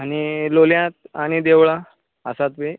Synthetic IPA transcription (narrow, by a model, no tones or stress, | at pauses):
añiloljãt̪̚aɽ̃id̪eʋɭa | ə̰sat̪ʋe